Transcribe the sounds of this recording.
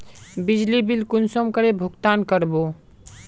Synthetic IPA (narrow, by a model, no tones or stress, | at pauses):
bid͡ʒlibilkunsɔmkəɾebʱukt̪ankəɾbo